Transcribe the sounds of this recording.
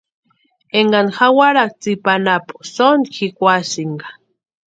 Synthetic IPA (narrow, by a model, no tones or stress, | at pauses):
eŋɡanxawaɾak̚t͡sipanapu̥sonkʰikʷasiŋɡḁ